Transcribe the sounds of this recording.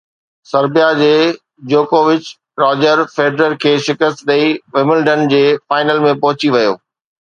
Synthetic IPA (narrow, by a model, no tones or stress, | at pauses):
sɐɾbijad͡ʑeː | d͡ʑoːkoːʋɪt͡ɕ | ɾɔːd͡ʑəɾfeːɖɾəɾkʰeːʃɪkəst̪ɗ̪ɐiʋɪmɪlɖənd͡ʑeːfaːɪnəlmẽpɐɦʊt͡ɕiʋɐjo̰ː